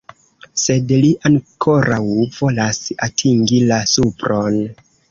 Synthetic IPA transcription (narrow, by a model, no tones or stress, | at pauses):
se̞dliʔaŋkʰo̞ɾʔawv̥o̞lasa̰tʰiŋɡilasupɾo̞n